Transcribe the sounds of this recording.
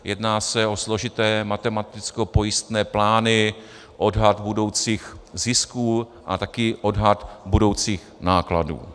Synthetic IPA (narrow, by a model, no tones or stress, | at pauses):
jɛdnaːsɛo̞slo̞ʒɪt̪ɛːmat̪ɛmat̪ɪt͡sko̞po̞jɪst̪nɛːplaːnɪ | ʔo̞dɦat̪budo̞wt͡siːxzɪskuː | ʔa̰t̪akɪʔo̞dɦat̪budo̞wt͡siːx | naːkladṵː